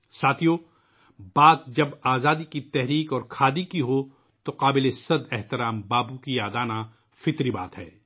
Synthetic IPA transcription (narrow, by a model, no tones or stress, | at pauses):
saːt̪ʰijoː | baːt̪̚d͡ʒɐbaːzaːd̪ikit̪ɛɦɾiːkɔːɾkʰaːd̪ikiɦo | t̪oqaːbɪlesɐd̪ɛɦt̪ɪɾaːmbaːbukijaːd̪aːna | fɪt̪ɾibaːt̪ɦɛ̰ː